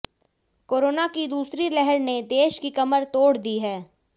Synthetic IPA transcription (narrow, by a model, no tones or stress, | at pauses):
koːɾoːnakid̪uːsɾilɛɦəɾned̪eːʃkikɐməɾt̪oːɽd̪iɦɛː